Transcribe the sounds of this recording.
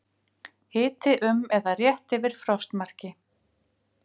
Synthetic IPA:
hɪːt̪ɪʔʏmɛðarjɛht̪ɪvɪɾ̥fɾɔwst̪mar̥cɪ

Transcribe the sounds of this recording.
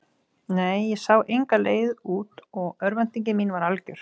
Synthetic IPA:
neːjːɛsaːwʔejŋkaleːjðuːt̪ɔɣœɾvant̪iɲcɪminvaɾalcʏɾ̥

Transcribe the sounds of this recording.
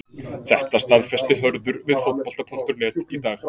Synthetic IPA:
θɛht̪ast̪aðfɛst̪ɪɦœɾðʏɾvɪðfowt̪̚pɔl̥t̪apʰuŋ̥t̪ʏɾnɛːt̪it̪aːx

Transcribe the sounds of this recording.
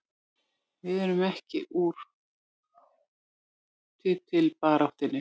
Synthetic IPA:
vɪðɛɾʏmɛhcɪ̰ʔuɾ̥ | t̪ʰɪt̪ʰɪlpaːɾawht̪ɪnːɪ

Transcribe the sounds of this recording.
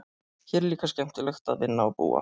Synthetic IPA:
çɛɾliːkascɛm̥t̪ɪlœxt̪aðvɪnːaɔpṵːa̰

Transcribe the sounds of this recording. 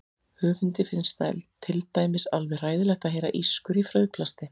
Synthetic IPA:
hʏːvʏnt̪ɪfɪnst̪aɛ̰lt̪ʰːɪlt̪aːjmɪsalvɛɣr̥aːjðɪlɛxt̪aðɦeːjɾa̰ʔiskʏɾifɾœɥðpʰlast̪ɪ

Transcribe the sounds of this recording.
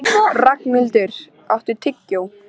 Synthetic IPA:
rakmɪlt̪ɪɾ̥ | a̰wht̪ɪɾt̪ʰɪcːow

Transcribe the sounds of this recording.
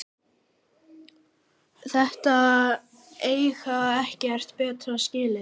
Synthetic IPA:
θɛht̪a | ejxaɛhcɛɛr̥t̪pɛːt̪ɾascɪːlɪ

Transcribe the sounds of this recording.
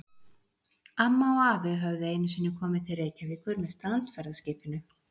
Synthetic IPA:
amːaɔaːvɪɦœvðʏeːjnʏsɪːnːɪkʰɔːmɪðt̪ʰɪlreːjcavɪkʰʏɾmɛst̪aant̪fɛɾðascɪːpɪnʏ

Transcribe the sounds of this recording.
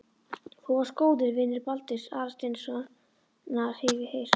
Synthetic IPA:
θuvḁskoːwðɪɾvɪnːɪɾpalt̪ɪsa̰ːɾast̪ensa | nḁheːvɪhejɾ̥

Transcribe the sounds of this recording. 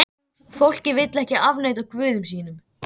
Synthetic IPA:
fowl̥cɪvɪt̪lɛhcɪavneːjt̪awkvʏːðʏms̬iːnʏm

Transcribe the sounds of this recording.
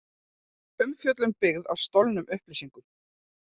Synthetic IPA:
ʏmfjœt̪lʏmpɪɣða̰wst̪owlnʏmʔʏhplisiŋkʏm

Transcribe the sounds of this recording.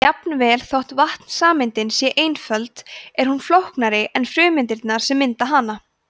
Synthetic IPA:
apnvɛːlθowht̪vaht̪n̥saːmɪnt̪ɪnsjɛʔejnfœlt̪ɛɾ̥hunflowhknaɾɪʔɛnfɾʏːmɪnt̪ɪɾt̪naɾ̥sɛmːɪnt̪aɦaːna

